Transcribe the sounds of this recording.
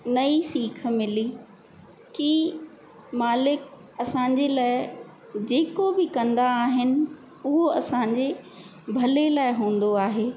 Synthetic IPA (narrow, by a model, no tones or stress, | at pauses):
nɐisiːk̆ʰmɪli | ki | maːlɪk | ɐsãːɲd͡ʑelaːɪ | d͡ʑeːkobɪkɐ̃nd̪aːɦɪnɪ̆ | ʊɦoɐsãɲd͡ʑe | bʱɐlelaːɪɦũːn̆d̪oaːɦeː